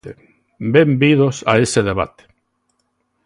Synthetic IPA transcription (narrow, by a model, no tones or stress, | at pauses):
e | bembið̞osa̰eseðeβ̞a̰t̪e̥